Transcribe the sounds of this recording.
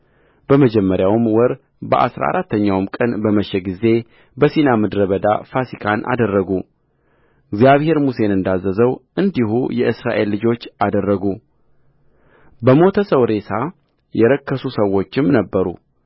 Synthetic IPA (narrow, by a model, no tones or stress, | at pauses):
b̥əməd͡ʒɛmːəɾjawmwɔɾ | bəʔa̰sɾa̰a̰ɾat̪ːəɲːawmkʼənbəməʃːɛɡize̞ | bəsinamɨd̪ɾəβəd̪a̰fasikʰanʔa̰d̪ərːəɡu | ɨɡzjaβhe̞ɾmuse̞nɨnd̪azːəzəwɨnd̪iɦṵjɛʔɨsɾa̰ʔe̞lːɨd͡ʒo̞t͡ʃːad̪ərːəɡu | bəmo̞t̪ʰəsəwɾe̞sʰa | jɛɾəkʰːəsusəwːo̞t͡ʃːɪmnəbːəɾṵ